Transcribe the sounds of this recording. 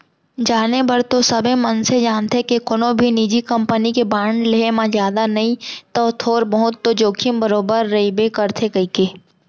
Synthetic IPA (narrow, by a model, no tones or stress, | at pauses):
d͡ʒaːnebəɾt̪osɐbʱemɐnsed͡ʒaːnt̪ekekʊnõbʱinid͡ʒikɐ̃mpənikebãːɳɖleemãzjaːd̪anɐɦĩt̪ɔːt̪ʰoːɾbəɦʊt̪ːod͡ʒoːkʰimbəɾoːbəɾːɐibekɐɾt̪ʰekɐikeː